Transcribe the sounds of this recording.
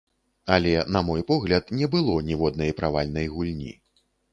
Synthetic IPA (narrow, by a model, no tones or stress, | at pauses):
ɐlʲɛnɐmɔjpɔɣlʲɐt̪nʲɛbɨlˠɔnʲɛvɔd̪̚nɐjpɾavalʲnɐjɣulʲnʲḭ